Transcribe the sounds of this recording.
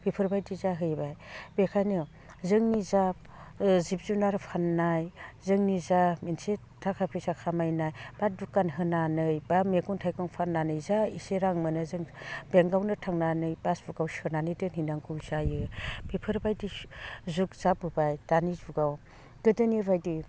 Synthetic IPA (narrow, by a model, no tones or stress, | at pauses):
b̥ʰipʰɯɾbajdizaɦɯjbajb̥ekʰajnɯ | zɯŋnizap̚ | zib̚zunaɾpʰanːajzɯŋnizaminse | tʰakʰapʰisakʰamajnajb̥adukːanɦɯnanɯjbameɡuntʰajkɔŋpʰanːanɯjzaiseɾaŋmɯnɯzɯŋb̥eŋɡawnɯtʰaŋnanɯjbasb̥uɡawsɯnanɯdɯnhinaŋkʰuwzajɯb̥ipʰɯɾbajdizukz̥ap̚ɯbajdanizuɡaw | ɡ̥ɯdɯniɾbajdi